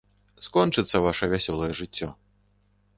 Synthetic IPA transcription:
skɔnt͡ʂɨt̪sɐvaʂɐvʲasʲɔlˠɐjɛʐɨt͡sʲːɔ

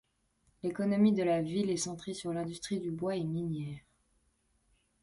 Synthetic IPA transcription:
lekɔnɔmid̪əlavilɛsɑ̃t̪χesyʁlɛ̃d̪yst̪χid̪ybwaɛminjɛːʁ

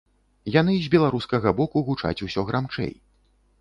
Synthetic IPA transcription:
jan̪ɨzʲbʲɛlˠaɾuskɐɣɐbɔkuɣut͡ʂa̰t͡sʲusʲɔɣɾamt͡ʂɛ̰j

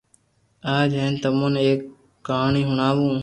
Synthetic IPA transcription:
aːd͡ʒeːnt̪əmõːneːkː | aːɳiːɦʊɳaːʋũː

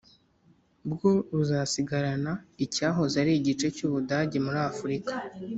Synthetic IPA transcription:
bɡoɾuzasiɡaɾanaicaːɦo̞zaɾiːɟit͡ʃe̞cuβudaɟe̞muɾafuɾikḁ

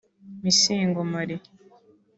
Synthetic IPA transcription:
misiːŋɡomaɾi

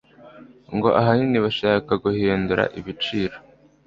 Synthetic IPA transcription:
ŋɡo̞ʔaɦaniniβaʃaːkaɡuhiːnduɾa̰ʔiβit͡ʃiːɾo

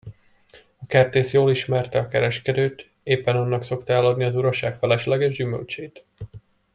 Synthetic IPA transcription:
ɒkɛrt̪eːsjoːliʃmɛrt̪ɛɒkɛɾɛʃkɛd̪øːt̪ | eːpːɛnɒnːɒkso̞kt̪ɛlːɒd̪niɒzuɾoʃaːkfɛlɛʃlɛɡɛʒd͡ʒymø̰lt͡ʃeːt̪

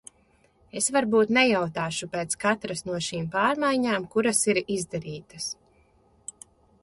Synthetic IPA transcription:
esvaɾbuːt̪nɛjawt̪aːʃupeːt̪skat̪ɾasnuɔʃiːmpaːɾmajɲaːmkuɾasiɾizd̪aɾiːt̪ɐs

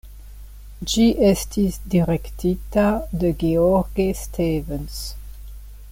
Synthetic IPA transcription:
d͡ʒiʔɛst̪isd̪iʁɛkt̪ʰit̪ad̪əɡeɔʁɡest̪ʰevəns

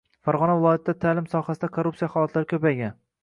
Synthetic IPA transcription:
faɾʁɒnavɪlˠɒjat̪̚ʰɪd̪at̪ʰalɪmsɒhasɪd̪akʰoɾːupsijaχɒlˠat̪ʰlaɾɪkʲʰɵpajɡʲan

